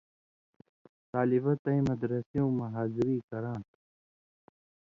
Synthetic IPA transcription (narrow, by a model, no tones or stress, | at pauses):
t̪aːlibɐt̪ɐĩmɐd̪ɾɐsijõmɐɦaːziɾiːkɐɾãːʈ